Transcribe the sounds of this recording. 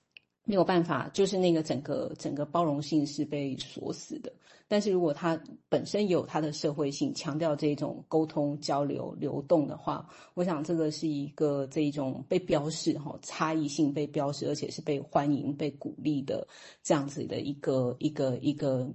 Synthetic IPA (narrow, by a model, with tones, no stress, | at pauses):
me˧˥jo˨˩ʊpa˥˩nfa̰˨˩t͡ɕjo˥˧ʊʂ̬ɻ̩˥˧na˥˩ɡə˩ʈ͡ʂə˨˩ŋɡə̰˦ʈ͡ʂə˨˩ŋɡə˦pɑ˥ʊɻʊ˧˥ŋɕi˥˧ŋʂɻ̩˥˧pe˥˩ɪswɔ̰˧˥sɹ̩˨˩d̪ə˦ | t̪a˥˧nʂɻ̩˥˩ɻu˧˥kwɔ˨˩t̪ʰa˥pə˨˩nʂə˦˥njo˨˩ʊt̪ʰa˥d̪ə˨ʂɤ˥˧xwe˥˧ɪɕi˥˩ŋt͡ɕʰjɑ˧˥ŋt̪̬jɑ˥˧ʊʈ͡ʂɤ˥˧i˥˩ʈ͡ʂʊ̰˨˩ŋko˥ʊt̪ʰʊ˥ŋt͡ɕjɑ˥ʊljo̰˧˥ʊljo̰˧˥ʊt̪ʊ˥˩ŋd̪ə̰˩xwa̰˥˩ | wɔ˧˥ɕ̬jɑ˨˩ŋʈ͡ʂɤ˥˩ɡə˩ʂɻ̩˥˩i˧˥ɡ̥ə˧ʈ͡ʂɤ˥˧i˥˩ʈ͡ʂʊ˨˩ŋpe˥˩ɪpjɑ˥ʊʂɻ̩˥˩xɑ̰˥˩ʈ͡ʂʰa˥i˥˧ɕi˥˧ŋpe˥˩ɪpjɑ˥ʊʂɻ̩˥˩ə˞˧˥t͡ɕʰjɛ˨˩ʂɻ̩˥˧pe˥˩ɪxwa˦˥nḭ˧˥ŋpe˥˩ɪku˨˩li˥˩d̪ə̰˩ | ʈ͡ʂɤ˥˧jɑ˥˩ŋd͡zɹ̩˨˩d̪ə̰˩ʔi˧˥ɡ̥ə˧i˧˥ɡə˧i˧˥ɡə˧